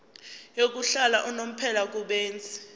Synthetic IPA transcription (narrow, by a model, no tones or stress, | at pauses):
jok̬ʼuɬalaʔɔnom̩pʰɛlak̬ʼuɓeːnd͡zʱi̥